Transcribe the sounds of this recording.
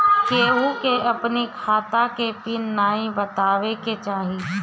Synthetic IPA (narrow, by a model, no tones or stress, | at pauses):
keːɦukeɐpnikʰaːt̪akepinːaːĩbɐt̪aːʋeket͡ʃaːɦi